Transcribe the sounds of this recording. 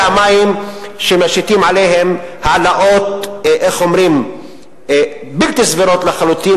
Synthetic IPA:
amajimʃemaʃit̪imʕalejɦemhaːlaʔo̞t̪ʔeχomɾim | bilt̪isviɾo̞t̪leχalut̪i

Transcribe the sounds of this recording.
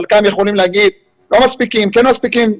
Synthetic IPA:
lkamjeχolimleaɡid̪̚ | lo̞maspikimkenmaspikim

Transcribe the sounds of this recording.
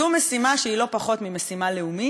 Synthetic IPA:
umesimaʃeilo̞paχo̞t̪mimesimale̞umi

